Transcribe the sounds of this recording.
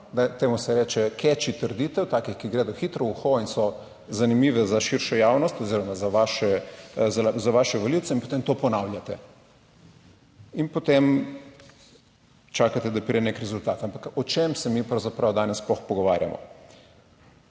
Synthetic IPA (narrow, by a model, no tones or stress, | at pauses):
d̪at̪eːmusɛɾɛːt͡ʃɛkʰɛt͡ʃit̪əɾd̪iːt̪ɛwt̪aːkixkiɡɾeːd̪ɔxiːt̪ɾɔuxoinsɔ | zanimiːʋɛzaʃiɾʃɔjawnɔst̪ɔziɾɔmazaʋaːʃɛzazaʋaʃɛʋoliwtsɛinpo̥t̪emt̪opɔnawljat̪ɛ | inpot̪em | t͡ʃakat̪ɛd̪apɾḭjɛnekɾɛzult̪aːt̪ampakɔt͡ʃemsɛmipɾawzapɾawd̪aːnɛssplɔxpɔɡɔʋaɾja̰mɔ̰